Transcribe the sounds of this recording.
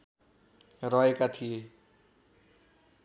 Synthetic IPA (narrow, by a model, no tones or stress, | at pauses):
ɾʌɦekat̪ʰije